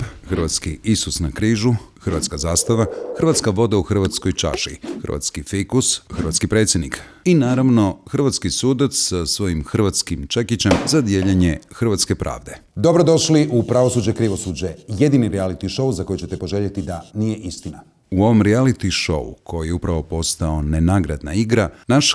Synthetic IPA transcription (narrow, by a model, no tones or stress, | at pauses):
xr̩ʋat̪skiʔisusnakɾiːʒuxr̩ʋa̰t̪skazaːst̪aʋaxr̩ʋat̪skaʋo̞d̪auxr̩ʋat̪sko̞jt͡ʃa̰ʃḭxɨr̩ʋa̰t̪skifikusxr̩ʋa̰t̪kipɾe̞t̪sʲjed̪nik | inaːɾaʋno̞xrʋat̪skisuːd̪at̪ssasʋo̞jimxr̩ʋat̪skimt͡ʃekit͡ɕemzad̪jeːʎaɲexr̩ʋat̪skepɾʔa̰ːʋd̪e̞ | d̪o̞bɾod̪o̞ʃliʔupɾaʋosuːd͡ʑekɾiʋo̞suːd͡ʑejed̪iniɾialit̪iʃo̞uzako̞jut͡ɕet̪epoʒeʎet̪id̪anijeʔist̪ina | uo̞ʋomɾialit̪iʃo̞̰ṵkʰo̞jijeupɾaʋo̞po̞st̪ao̞nenaɡɾa̰d̪na̰iɡɾanaʃ